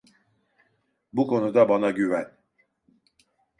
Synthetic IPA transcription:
bukʰo̞nud̪abanaɟyvæn

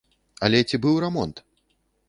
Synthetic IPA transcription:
ɐlʲɛt͡sʲibɨwɾɛmɔnt̪

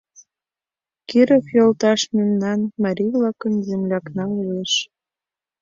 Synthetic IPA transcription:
kiɾəfjolt̪ɑʃmemnɑnmɑɾʲivlɑkə̆nzemlʲɑknɑueʃ

